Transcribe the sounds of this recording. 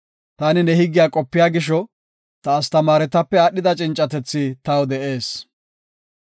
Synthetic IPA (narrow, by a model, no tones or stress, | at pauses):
t̪ɐnɪnɛhɪɡːɪjaːkʼɔpːɪjaːɡɪʃ̬ɔ | t̪ɐːst̪ɐmaːɾɛt̪ɐpːɛaːɗɪd̪ɐt͡ʃʼɪnt͡ʃʼːɐt̪ɛt͡sːɪt̪ɐwd̪ɛʔe̞ːs